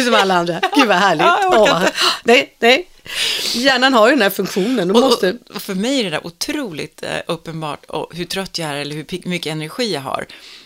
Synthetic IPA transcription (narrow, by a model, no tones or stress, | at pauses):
sɔmalːaand̪ɾaɡʉːvaɦæːɭɪɡ̪ | nɛjnɛj | jæːɳanhaɾjd̪ɛnd̪æːɾfɵŋkɧuːnənd̪ɔɔmɔt̪əɔfœɾmɛjæɖɛd̪æ̰ɾʔʊt̪ʰɾuːlɪ̰t̪ɵpːənbɑ̰ːʈɔ̰ɦɵʈʰɾœt̪ːjaæɾɛlːəɾhɵpʰɪmʏkːəɛnæɾɧiːjaɦa̰ɾ